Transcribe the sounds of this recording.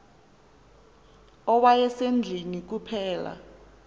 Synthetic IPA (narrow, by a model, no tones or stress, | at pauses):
ɔwajɛsend͡ɮʱinik̬upʰɛːla̰